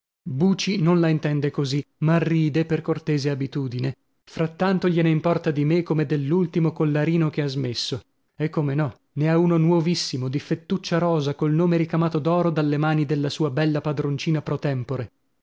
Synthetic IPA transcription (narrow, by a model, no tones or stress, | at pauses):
buːt͡ʃinonlaint̪ɛnd̪ekozimariːd̪eperkort̪eːzeabit̪uːd̪ine | fɾat̪ːant̪oʎeneimpɔrt̪ad̪imekːomed̪elːult̪imokolːaɾiːnokeazmesːo | ekːomenɔ | neaunonwɔvisːimod̪ifet̪ːut͡ʃːaɾɔːzakolnoːmeɾikamaːt̪od̪ɔːɾod̪alːemaːnid̪elːasuːabɛlːapad̪ɾont͡ʃiːnapɾot̪ɛmpoɾe